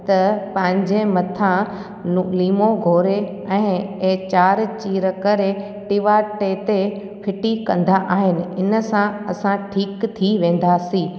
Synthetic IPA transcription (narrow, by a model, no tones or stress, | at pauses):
t̪ɐpɐ̃ɦɪ̃ɲd͡ʑemɐt̪ʰã | nʊliːmoɡʱoːɾe | ɛ̃ːeːt͡ɕaːɾt͡ɕiːɾəkɐɾe | ʈɪʋaʈet̪e | pʰɪʈikɐ̰̃nd̪aʔaːɦɪnɪ̆ɪnə̆sãɐsãʈʰiːkt̪ʰiʋẽːn̆d̪asiː